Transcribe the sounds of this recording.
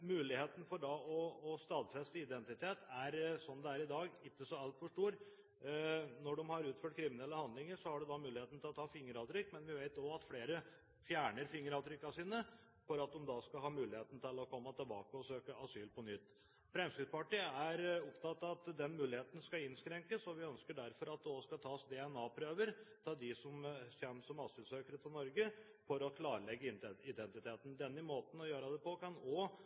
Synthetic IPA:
mʉːlɪheːt̪n̩fɔɖɑɔːst̪ɑːd̪fɾɛst̪əɪd̪ɛnt̪ɪt̪ʰeːt̪æɾsɔnd̪ɛæɾɪd̪ɑːɡɪkːəsɔɑlt̪fɔʂʈuːɾ | nɔɖɔmhɑɾʉːt̪føːʈ̚kʰɾɪmɪnɛlːəhɑnd̪lɪŋəɾsɔhɑɖʉd̪ɑmʉːlɪheːt̪n̩t̪ɪlɔt̪ʰɑːfɪŋːəɾɑt̪ɾʏkːmɛnʋɪʋæɪt̪oɑt̪fleːɾə | fjæːɳəɾfɪŋːəɾɑt̪ɾʏkːɑsiːnə | fɔɾɑt̪̚d̪ɔmd̪ɑskɑɦɑːmʉːlɪheːt̪n̩t̪ʰɪlɔkʰɔmːət̪ʰɪlbɑ̰ːkəɔsøːkəʔɑsyːlpʰɔnʏt̪ː | fɾɛmskɾɪd̪spɑʈiːæɾɔpt̪ɑt̪ːɑɑt̪d̪ɛnmʉːlɪheːt̪ən̩skɑɪnskɾɛŋkəsɔʋɪœnskəɖæɾfɔɾɑt̪̚d̪ɛɔskɑlt̪ʰɑːsd̪ɛɛnɑːpʰɾøːʋəɾt̪ʰɑːd̪ɪsɔmɕɛnːsɔmɑsyːlsøːkəɾət̪ʰɪlnɔɾɡə | fɔɾɔkʰlɑːɾəlɛɡːəɪd̪ɛnt̪ɪt̪ʰeːt̪n̩d̪ɛnːəmoːt̪n̩ɔjøːɾɑd̪ɛpɔkɑnɔ

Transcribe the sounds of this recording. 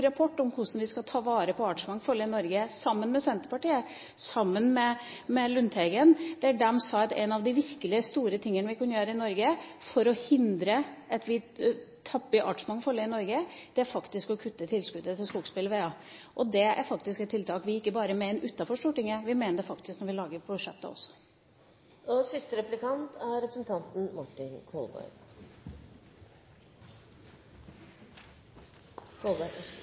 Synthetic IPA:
ɾɑpʰɔʈːɔmhʊʂn̩ʋɪskɑt̪ʰɑːʋɑːɾəpʰɔɑʈʂmɑŋːfɔlːəɪnɔɾɡəsɑmːənmɛsɛnt̪əɾpɑʈiːə | sɑmːənmɛ | mɛlʉnt̪ʰɛɡənd̪̥ɛæɖɛmsɑɑt̪ɛ̰ɪnɑʋd̪ɪʋɪɾkəlɪəst̪uːɾət̪ʰɪŋːənʋɪkʰʉnːəjøːɾəɪnɔɾɡəfɔɾɔhɪnd̪ɾəʔɑt̪ʋɪt̪ʰɑpːɪʔɑʈʂmɑŋfɔlːəɪnɔɾɡəd̪̥ɛæɾfɑkt̪ɪskɔkʰʉt̪ːət̪ʰɪlskʉd̪ət̪ʰɪlskuːkspɪlʋeːɑʔɔd̪ɛæ̰ɾfɑkt̪ɪskɛt̪ʰːɪlt̪ʰɑːkʋɪɪkːəbɑːɾəmɛɛnʔʉt̪ːɑfɔʂʈ̪uːʈɪŋːəʋɪmeːnəd̪ɛfɑkt̪ɪsknɔɾʋɪlɑːɡəɾbʰʊʂɛ̰t̪ːɑ̰ɔ̰sːɔ̥ | ɔsɪst̪əɾɛplɪkɑnt̪ʰæɾɾɛpɾəsnt̪ʰɑnt̪n̩mʊʈːɪnkʰɔlbɔ̰ɪ | kʰolb

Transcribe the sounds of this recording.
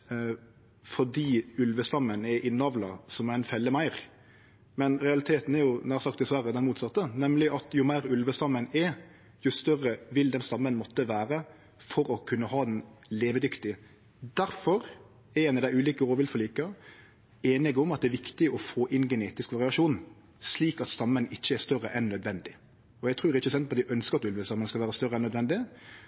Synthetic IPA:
fɔɖ̪iːʉlʋəst̪ɑmːənɛʔɪnːɑʋlɑsɔmæʁænfɛlːəmæɪɾ | mɛnɾɛɑlɪt̪ʰeːt̪n̩ɛɾjʊnæːʁsɑkt̪d̪ɪsʋæɾːəd̪ɛnmuːt̪sɑt̪ːənɛmlɪʔɑt̪jʊmæɪɾʉlʋəst̪ɑmːənɛ | jʊst̪œrːəʋɪld̪ɛnst̪ɑmːənmɔt̪ːəʋæːɾə | fɔɾɔkʰʉnːəhɑːd̪ɛnleːʋəd̪ʏkt̪ɪ | d̪æɾfɔɾ | ɛɛnəd̪æɪʉːliːkəoːʋɪlfɔliːkə | eːnɪɡʊmɑt̪̚d̪ɛːʋɪkt̪ɪɔfoːʔɪnɡɛneːt̪ɪskʋɑʁɪɑʂuːn | sliːkɑt̪st̪ɑmːənɪçːəɛst̪œrːəʔɛnːœd̪ʋɛnd̪ɪ | ɔjæt̪ʰɾʉːɾæɾɪçːəs̬ɛnt̪pʰɔɑt̪d̪æʔœnskəɾɑt̪ʉlʋəst̪ɑmːənəskɑlʋæːɾəst̪œɾəɛnːœd̪ʋɛnd̪ɪ

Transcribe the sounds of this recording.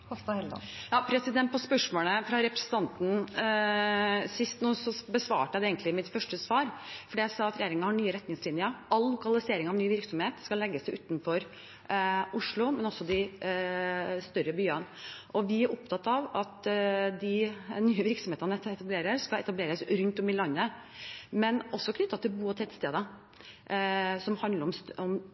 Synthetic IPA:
ɔt̪ɑhɛl̰jɑːpʰɾɛsɪd̪ɛnt̪̚pʰɔspœʂmoːləfɾɑɾɛpɾɛsənt̪ʰɑnt̪n̩ | sɪst̪nuːsɔbəsʋɑ̰ːʈəjæd̪ɛeːɡnɪmɪt̪fœʂʈəsʋɑːɾfɔɖiæɪsɑːɑt̪ɾɛjeːɾɪŋənhɑɳyːəɾɛt̪nɪŋslɪnjəɑlːʊkɑlɪseːɾɪŋɑʋnyːʋɪɾksɔmheːt̪skɑlːɛɡːəsd̪ɛɪʉːt̪nfɔɾ | ʔʊʂɭʊmɛnɔsːɔd̪ɪ | st̪œɾəbyːən | ʔɔʋɪæɾʔɔp̚t̪ʰɑt̪ːɑʋɑt̪d̪ɪnyːəʋɪɾksɔmeːt̪ənɛt̪ɑbleːɾəɾskɑɛt̪ɑbleːɾəsɾʉnt̪ɔmɪlɑnːə | mɛnɔsɔkʰnʏt̪ːɑt̪ʰɪlbuːɔt̪ʰɛt̪st̪eːd̪ə | sɔmhɑnd̪ləɾɔmsɔm

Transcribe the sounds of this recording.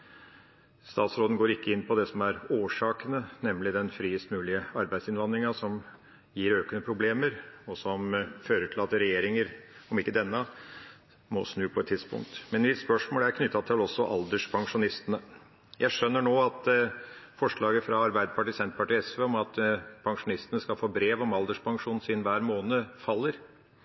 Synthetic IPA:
st̪ɑːt̪sɾoːd̪n̩ɡoːɾɪkːəɪnːpʰɔd̪ɛsɔmæɾoːʂɑːkənənɛmlɪd̪ɛnfɾiːəst̪mʉːlɪəɑɾbæɪsɪnʋɑnd̪ɾɪŋɑsɔm | jiːɾøːkənəpʰɾʊbleːməɾɔsɔmføːɾəʈʰɪlɑt̪ːɾɛjeːɾɪŋəɾɔmɪkːəd̪ɛnːə | mɔ̰snʉːpʰɔɛt̪ʰːɪd̪spʊ̰ŋk̚t̪mɛnmɪt̪spœʂmoːləæɾkʰnʏt̪ːɑt̪ʰɪlɔsːɔʔɑ̰ld̪əʂpʰɑŋʂʊnɪst̪ənə | jʔæɪʂœnːəɳoːɑt̪ | fɔʂɭɑːɡəfɾɑɑɾbæɪd̪əpʰɑʈiːsɛnt̪əpʰɑʈiːɛsʋeːɔmɑt̪pʰɑŋʂʊnɪst̪ənəskɑlfoːbɾeːʋɔmɑld̪əʂpʰɑŋʂuːnsiːd̪n̩ʋæːɾmoːnəfɑlːəɾ

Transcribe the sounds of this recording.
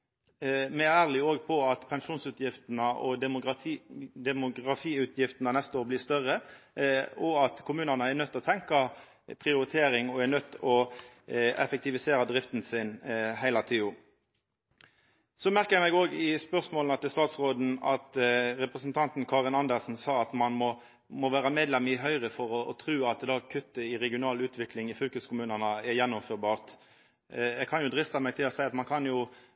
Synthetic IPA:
mɛææːʁlɪoːɡpʰɔɑt̪pʰɛnʂuːnsʉːt̪jɪft̪nəʔɔd̪ | d̪ɛmʊɡʁɑfiːʉːt̪ʰjɪft̪ənənɛst̪əoːʁblɪːst̪œʁə | ɔɑt̪kʰʊmʉːnəʁnəæɾnœt̪ːɔːt̪ʰɛŋkɑ | pʰʁɪʊɾɪt̪ʰeːɾɪŋɔænœt̪ːɔ | ɛ̰fɛk̚t̪ɪʋɪseːɾɑd̪ʁɪft̪n̩sɪnhæɪlɑt̪ʰeːʊ | sɔmæʁkəjæmɛɡoːɡɪspœʁsmoːlnɑt̪ːɪst̪ɑːt̪sʁoːd̪n̩ɑt̪ɾɛpʁəsn̩t̪ʰɑnt̪n̩kʰɑːʁɪnɑnd̪əʁsn̩sɑːɑt̪mɑnmɔ | mɔʋæːʁəmeːd̪lɛmɪɦœʏʁəfɔʁɔɔt̪ʰɾʉːɑt̪̚d̪ɑːkʰʉt̪ːəɪʁɛɡɪʊnɑːlʉːt̪ʰʋɪklɪŋɪfʏlkəskʊmʉːnənəɛjɛnːʊmføːɾbɑːʁt̪ | jɛɡkʰɑnjʊd̪ɾɪst̪ɑmɛɡ̚t̪ʰɪlɔsæɪɑt̪mɑnkʰɑnjʊ

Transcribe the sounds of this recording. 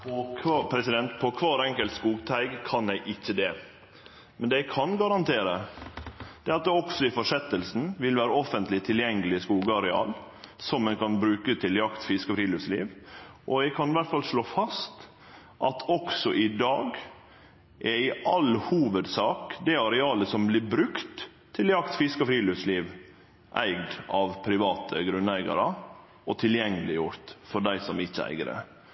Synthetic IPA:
pɔkʰːpʰɾɛsɪd̪ɛnt̪pʰɔkʰʋɑːɾɛŋkəlt̪skuːɡt̪ʰæɪɡkʰɑnjæɪʔɪçːəd̪ɛ | mɛnd̪ɛɪkʰɑnɡɑɾɑnt̪ʰeːɾə | d̪̥ɛːɑt̪̚d̪ɔksɔɪfɔʂɛt̪ːəlsn̩ʋɪlʋæːɾəɔfənt̪lɪt̪ʰɪljɛŋːəlɪskuːɡəɑɾɛɑ̰ːl | sɔmɛnkɑnbɾʉːkət̪ʰɪljɑkt̪fɪskɔfɾiːlɪslḭːʋʔɔæɡkʰɑnɪʋæʈ̪fɑlʂɭoːfɑst̪ | ʔɑt̪ʰɔksɔʔɪd̪ɑːɡ | ʔæɪʔɑlhuːʋəd̪sɑːkd̪ɛɑɾɛɑːləsɔmblɪbɾʉkt̪ʰː | ɪljɑkt̪fɪskɔfɾiːlʉsliːʋ | ʔæ̰ɪɡd̪ɑʋpʰɾɪʋɑːt̪ʰəɡɾʉnæɪɡɑ̰ɾə | ɔt̪ʰɪljɛŋːəlɪjʊɾt̪fɔɖæɪsɔmɪçːəæ̰ɪɡɾə̰

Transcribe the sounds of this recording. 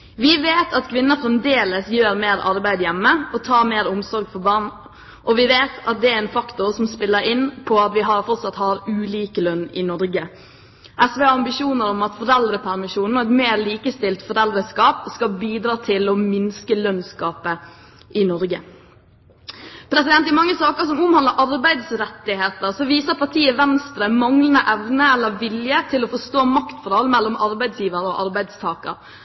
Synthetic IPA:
ʋɪʋeːt̪ʰɑt̪kʰʋɪnːəɾfɾɛmd̪eːləsjøːɾmeːɾɑɾbæɪd̪jɛmːəɔt̪ʰɑːmeːɾʊmsɔɾɡfɔɾbɑːɾɳ | ʔɔʋɪʋeːt̪ʰɑt̪̚d̪ɛæɾɛnfɑkt̪ʊɾsɔmspɪlːəɾɪnpʰɔɑt̪ʋɪɦɑɾfɔɾt̪sɑt̪hɑːɾʉːliːkəlœnːɪnɔɾɡə | ʔɛsʋɛːɑɑmbɪʃuːnəɾɔmɑt̪fɔɾɛld̪ɾəpʰæɾmɪʃuːnn̩ɔɾɛt̪meːɾliːkəst̪ɪlt̪fɔɾɛld̪ɾəskɑːpskɑbiːd̪ɾɑːt̪ʰɪlɔmɪnskəlœnskɑːpə | ʔɪnɔɾɡə | pʰɾɛsɪd̪ɛnt̪ɪmɑŋːəsɑːkəɾsɔmʊmhɑnd̪əɾʔɑɾbæɪd̪sɾɛt̪ːɪheːt̪əɾsɔʋiːsəɾpʰɑʈʰiːəʋɛnst̪ɾəmɑŋlənəʔɛʋnəɛlːəɾʋɪljət̪ʰɪlɔfɔst̪oːmɑkt̪fɔɾɑlmɛlːɔmɑɾbæɪd̪sjiːʋəɾɔʔɑɾbæɪd̪st̪ʰɑːkə̰ɾ

